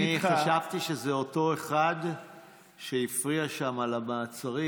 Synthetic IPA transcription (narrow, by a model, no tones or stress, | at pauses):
iχaʃavt̪iʃe̞zeo̞to̞e̞χad | ʃeifʁiaʃamalamaːt͡saʁi